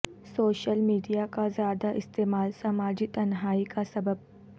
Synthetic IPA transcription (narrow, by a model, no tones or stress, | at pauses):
soːʃəlmiːɖijakazjaːd̪aʔɪst̪eːmaːlsɐmaːd͡ʒit̪ɐnɦaːikasɐbəb̚